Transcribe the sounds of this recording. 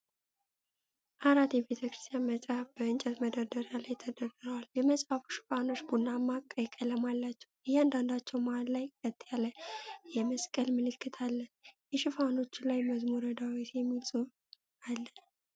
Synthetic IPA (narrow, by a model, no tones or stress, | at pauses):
ʔaɾat̪jɛbe̞t̪ʰəkɾɨ̥st̪ʰʼijanmət͡ʃʼabəɨnt͡ʃʼɛt̪məd̪əd̪əɾalajt̪ʰəd̪ərəɾəwaljɛməsʼfafu̥ʃɪ̥fano̞t͡ʃːbunːamːakʼːəjkʼələmalːat͡ʃːɛwɨjand̪and̪at͡ʃːɛwmallajkʼət̪ʼːjalːəjɛməskʼəlmɨlɨkːɨt̪ʰalːənjɛʃɪfano̞t͡ʃːɪlajməzmuɾəd̪awit̪jɛmːit͡sʼu | alːə